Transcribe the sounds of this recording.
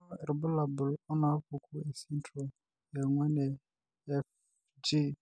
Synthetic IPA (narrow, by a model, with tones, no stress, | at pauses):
ɛ˨ɾɛ˨bʊ˦la˨bʊ˨lɔ˦na˨˦fu˨kʰu˦ɛ˨sɛ˦ntʰɾɔ˨ | jɛ˨ŋwɛ˦nɛ˨ | ɛ˦f | d͡ʒi˦